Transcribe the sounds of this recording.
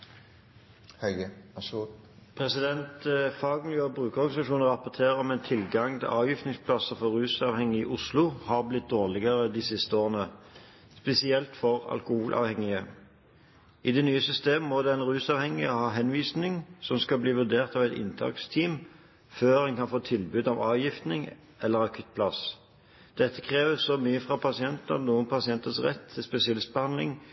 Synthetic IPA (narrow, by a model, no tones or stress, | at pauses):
pʰʁɛsɪd̪ɛnt̪fɑːɡmɪljøːbʁʉːkəʁɔʁɡɑnɪsɑʃuːnəʁɑpɔt̪ʰeːʁəɔmɛːnt̪ʰɪlɡɑŋt̪ʰɪlʔɑːʋjiːft̪nɪŋspʰlɑsəfɔʁʁʉːsɑːʋhɛŋːɪɪʔʊslʊhɑːʁblɪt̪̚d̪oːʁlɪɡəʁəd̪iːsɪst̪əoːʁənə | spɛsɪɛlt̪fɔʁɑ̰lkʊhuːlʔɑ̰ːʋhɛŋɪə | ɪd̪ɛnyːəsʏst̪eːmmːɔd̪ɛæɪnʁʉːsɑːʋhɛŋːɪɔhɑːɦɛnʋiːsnɪŋsɔmskɑbliːʋʉʁd̪eːʁt̪ɑːʋɛɪt̪ɪ̰nt̪ʰɑ̰ːkst̪ʰiːm | føːʁɛnkɑnfoːt̪ʰɪlbʉːd̪ɑʋɑːʋjɪft̪nɪŋ | ɛlːəʁɑkʰʉt̪̚ːpʰlɑs | d̪̥ɛt̪ːə̥kʰʁeːʋəsɔmyːəfʁɑpʰɑsɪɛnt̪ənuːənpʰɑsɪɛnt̪əsʁɛ̰t̪ʰːɪlspɛsɪɑlɪst̪̚bəhɑnlɪ̰ŋ